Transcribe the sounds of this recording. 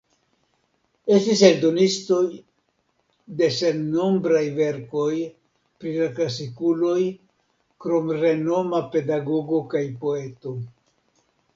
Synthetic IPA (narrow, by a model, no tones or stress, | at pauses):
e̞stiseldo̞nisto̞j | de̞se̞nno̞mbɾajve̞ɾko̞j | pɾilaklasikulo̞j | kɾo̞mɾe̞no̞mape̞daɡo̞ɡo̞kajpo̞e̞to̞